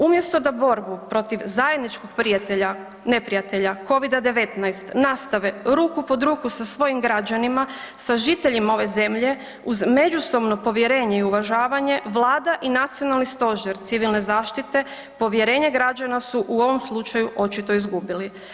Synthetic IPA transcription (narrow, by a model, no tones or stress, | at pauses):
umje̞st̪o̞d̪abo̞ɾbupɾo̞t̪iʋzaje̞d̪nit͡ʃkok̚pɾiat̪eʎa | ne̞pɾijat̪e̞ʎako̞ʋid̪ad̪e̞ʋe̞t̪najst̪nast̪aʋeɾuːkupo̞d̪ɾuːkusasʋo̞jimɡɾad͡ʒanima | saʒit̪e̞ʎimao̞ʋe̞ze̞mʎe̞ | uzme̞d͡ʒuso̞bno̞po̞ʋje̞ɾe̞ːɲe̞iuʋaʒaːʋaɲe̞ʋlˠaːd̪aʔinat̪sijo̞nalˠnist̪o̞ʒeɾt̪siʋilne̞zaːʃt̪it̪e̞ | po̞ʋje̞ɾe̞ːɲeɡɾad͡ʑanasuʔuo̞ʋo̞mslˠut͡ʃajuʔo̞t͡ʃit̪o̞izɡubili